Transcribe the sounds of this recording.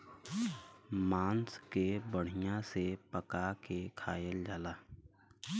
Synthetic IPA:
maːnskebəɽ̤ɪjãsepəkakekʰaːjəld͡ʒaːlaː

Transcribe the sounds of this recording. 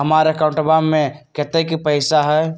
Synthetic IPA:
ɦəmaɾekãʊ̃ɳʈəbamːẽket̪ekipəɪsaɦɛ

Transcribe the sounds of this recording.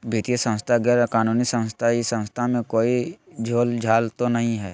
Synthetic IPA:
bit̪ijəsə̃w̃st̪ʰaɡɛːɾkaːnuːnisə̃w̃st̪ʰajisə̃w̃st̪ʰamẽkoːid͡ʒʱoːld͡ʒʱaːlt̪onɐɦĩɦɛː

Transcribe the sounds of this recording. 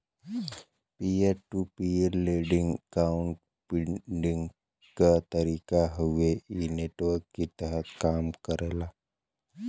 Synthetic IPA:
pieɾʈupieɾleɖiŋɡkauɳʈ̚ | piɖiŋɡ | kat̪əɾiːkaɦuʋeineʈʋəɾkːit̪əɦət̪kaːmkəɾela

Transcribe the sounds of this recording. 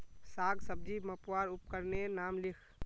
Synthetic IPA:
saɡsəb̚d͡ʒiməpwaɾup̚kəɾnenamlikʰ

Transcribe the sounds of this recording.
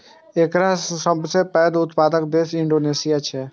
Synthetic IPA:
eːkɾasəbsepɛːd̪ʊt̪paːd̪ək̚d̪eːsɪɳɖoːneːsɪjat͡ʃʰe

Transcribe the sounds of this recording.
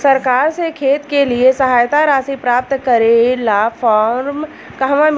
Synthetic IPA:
səɾkaːɾsekʰeːt̪keliesəɦaːjt̪aɾaːsipɾaːp̚t̪kəɾelafʰɔːɾm | kaɦʋãm

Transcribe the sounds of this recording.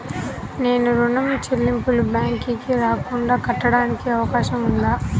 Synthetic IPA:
ne̞ːnuɾunɐmt͡ʃelːimpulubjaːŋkikiɾaːkuɳɖaːkɐʈːɐɽaːnikiɐʋɐkaːʃɐmund̪aː

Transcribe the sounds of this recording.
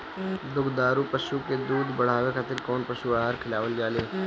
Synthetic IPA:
d̪ʊɡd̪aːɾupəʃuked̪uːd̪bəɽ̤aːʋekʰaːt̪ɪɾkɔːnpəʃuaːɦaːɾkʰɪlaːʋəld͡ʒaːleː

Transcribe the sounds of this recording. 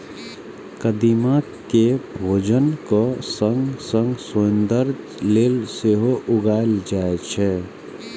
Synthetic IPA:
kəd̪ima | kebʱoːd͡ʒənkosə̃ŋɡsə̃ŋɡsʊənd̪əɾ | leːlseɦoʔʊɡaeld͡ʒaet͡ʃʰɛ

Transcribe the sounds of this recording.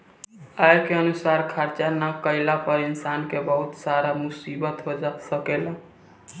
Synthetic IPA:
ajkeənusaɾkʰaɾt͡ʃanəkəɪlapəɾinsankebəɦut̪saɾamusibət̪ɦod͡ʒasəkela

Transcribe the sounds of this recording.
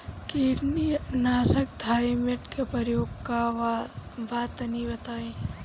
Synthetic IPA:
kiːɾninaːsək̚d̪ʱaːjmɪʈkepəɾjoːɡka | ʋaːt̪nibɐt̪aːẽ

